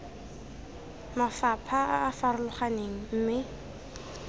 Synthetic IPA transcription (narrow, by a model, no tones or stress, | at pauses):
mafapʰaʔaːfarʊlʊχaneŋ̩m̩ːmɪ